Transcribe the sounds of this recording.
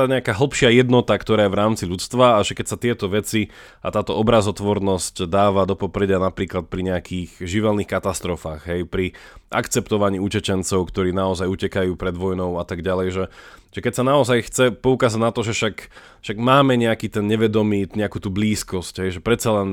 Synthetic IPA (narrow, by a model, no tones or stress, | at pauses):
aɲɛakaːɦl̩ˠpʃɪajɛd̪nɔt̪akt̪ɔɾaːjɛʋɾaːmt͡siʎut͡st̪ʋaːʒɛkɛcsat̪ɪɛt̪ɔʋɛt͡si | a̰t̪aːt̪ɔɔbɾazɔt̪ʋɔɾnɔscd̪aːʋad̪ɔpɔpɾɛɟɪanapɾiːklat̪̚pɾiɲɛakʰiːɣʒiʋɛlniːxkat̪ast̪ɾɔfaːɣɦɛjpɾiʔa̰kt͡sɛpt̪ɔʋaɲiːucɛt͡ʃɛnt͡sɔʊkt̪ɔɾiːnaɔzajucɛkajuːpɾɛd̪ʋɔjnɔʊat̪aɡɟalɛjʒɛʒ̥ɛkɛcsanaɔzajxt͡sɛpɔukaːzaɟnat̪ɔʒɛʃak | ʃaɡmaːmɛɲɛakiːt̪ɛnɲɛʋɛd̪ɔmiːɲɛakuːt̪uːbliːskɔscɦɛjʒɛpɾɛt̪t͡salɛn